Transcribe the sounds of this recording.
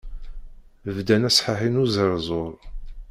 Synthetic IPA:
vd̪ænæsħaħinuzəɾˤzˤoɾˤ

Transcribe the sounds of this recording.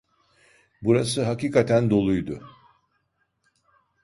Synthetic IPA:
buɾas̬ɯɦakiːkʰat̪ʰænd̪o̞lˠujd̪ʊ

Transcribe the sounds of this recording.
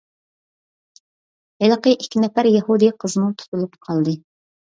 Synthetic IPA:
heləqəʔikʲʰːinɛpæɾjɛhud̪ɨqʰəzmut̪ʰu̥t̪ʰulˠupqʰɑlˠd̪ɨ

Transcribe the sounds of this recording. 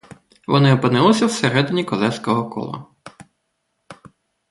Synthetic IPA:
ʋɔnɪɔpɪnɪlˠɪsʲɐwseɾɛd̪ɪnʲikɔlˠɛskɔɦɔkɔ̰lˠɐ̰

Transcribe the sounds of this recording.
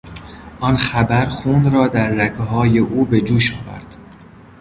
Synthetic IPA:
ʔɒnxæbæɾxuːnɾɒːd̪æɾːækʰeɦɒːjeʔuːbe̞d͡ʒuːʃɒːvæ̰ɾd̪̥

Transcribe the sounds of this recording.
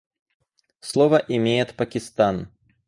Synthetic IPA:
slˠɔvəʔɪmʲejɪt̪pɐkʲɪst̪an

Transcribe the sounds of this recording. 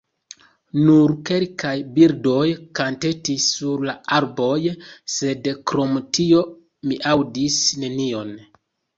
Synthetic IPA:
nuɾke̞lkajbiɾdo̞jkante̞tisːuɾlaaɾbo̞jse̞dkɾo̞mtio̞ | miʔawdisne̞nio̞n

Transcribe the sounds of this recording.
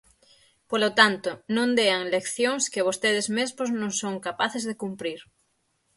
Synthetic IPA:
polot̪ant̪onõnd̪eaŋlekθjõŋskɪβost̪eð̞ezmezmoznõŋsoŋkapaθezðekumpɾiɾ

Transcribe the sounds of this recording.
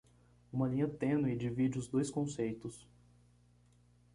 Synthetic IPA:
ũmɐlĩɲɐt̪ẽnʊid͡ʒɪvid͡ʒɪʊzd̪ojskõsejt̪ʊs

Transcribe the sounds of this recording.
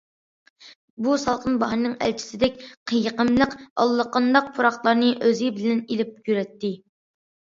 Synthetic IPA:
busɑlˠqʰənbɑɦnnɨŋɛ̰lt͡ʃʰi̥sɪd̪ɛk̚ʲqʰəjəqəmlˠəqɑ̰lˠːəqənd̪ɑq̚pʰuɾɑχlˠɑɾnɨʔøzɪbɪlɛnelɪp̚kyɾɛt̪ːɪ

